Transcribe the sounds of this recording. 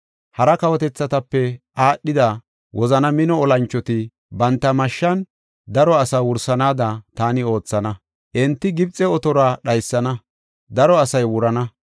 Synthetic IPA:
hɐɾɐkɐwɔt̪ɛt͡sːɐt̪ɐpːɛʔaːɗɪd̪ɐ | wʔɔzɐnɐmɪnɔɔlɐnt͡ʃːɔt̪ɪ | bɐnt̪ːɐmɐʃːɐn | d̪ɐɾɔɐsɐwʊɾsɐnaːd̪ɐt̪aːnɪo̞ːt͡sːɐnɐ | ʔɛnt̪ːɪɡɪbt͡sʼɛɔt̪ɔɾaɗɐjsːɐnɐ | d̪ɐɾɔɐsɐjwʊɾɐnɐ

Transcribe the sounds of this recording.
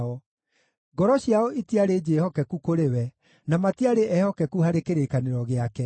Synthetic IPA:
ɔ | ɡɔɾɔɕjaɔʔitiaɾed͡ʒeːhɔkɛkukoɾewɛ | namatiaɾeʔɛhɔkɛkuhaɾekeɾekaneɾɔɣeakɛ

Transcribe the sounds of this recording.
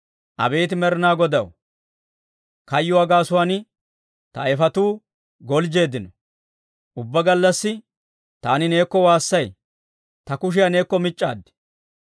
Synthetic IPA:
ʔɐ̰be̞ːt̪̬ɪmɛɾɪnaːɡɔd̪ɐw | kɐjːʊɐːɡaːsʊwaːn | t̪ɐɛfɐt̪uː | ɡɔld͡ʒe̞ːd̪ːɪnɔ | ʔʊbːɐɡɐlːɐsːɪ | t̪aːnɪne̞ːkːɔwaːsːɐj | t̪ɐkʊʃ̬ɪjane̞ːkːɔmɪt͡ʃʼːa̰ːd̪ːɪ̥

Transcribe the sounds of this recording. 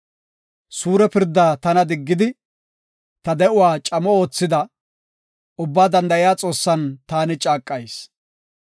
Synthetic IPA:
suːɾɛpɪɾd̪ːaːt̪ɐnɐd̪ɪɡːɪd̪ɪ | t̪ɐd̪ɛʔʊwaːt͡ʃʼɐmɔo̞ːt͡sːɪd̪ɐ | ʊbːaːd̪ɐnd̪ɐʔɪjaːt͡sʼo̞ːsːɐnt̪aːnɪt͡ʃʼaːkʼːɐjs

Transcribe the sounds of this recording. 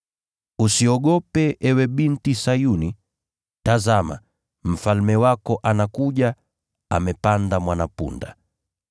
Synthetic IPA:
usiɔɠɔpɛʔɛwɛɓintisajuni | tazama̰ | m̩falmɛwakɔʔanakuʄa | a̰mɛpandamwanapṵnda̰

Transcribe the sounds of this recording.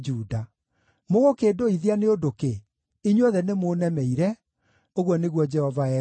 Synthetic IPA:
d͡ʒuːda | moɣokeːdoiðianeodoke | iɲɔðɛnemoːnɛmɛiɾɛ | oɣwɔneɣwɔd͡ʑɛhɔvaɛ

